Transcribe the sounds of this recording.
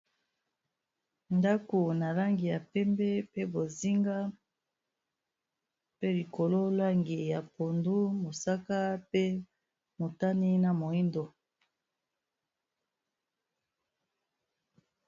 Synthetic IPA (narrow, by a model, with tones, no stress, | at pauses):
nda˦ko˨na˨la˦ŋɡi˨ja˨pɛ˦mbɛ˦pe˦bo˨zi˦ŋɡa˦ | pe˦li˨ko˨lo˦la˦ŋɡi˨ja˨po˨ndu˦mo˨sa˦ka˦pe˦ | mo˨ta˦ni˦na˨mo˨i˦ndo˨